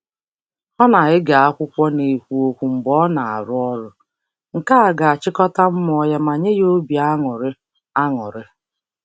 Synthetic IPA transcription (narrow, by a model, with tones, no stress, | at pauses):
ɔ˦na˨ɣɪ˦ɡa˨a˦kʷʊ˦kʷɔ˦ne˨kʷu˨o˨kʷu˨m̩˨bɔ˦na˨a̰˨ɾʊ˦ɔ˦ɾʊ˦ | ŋ̩˨ka˦a˨ɡa˨a˨t͡ʃɪ˦kɔ˦ta˦m̩˦m˦ɔ˦ja˦ma˨ɲe˦jo˦bi˨a˦ŋʊ˨ɾɪ˦ | a˦ŋʊ˨ɾɪ˦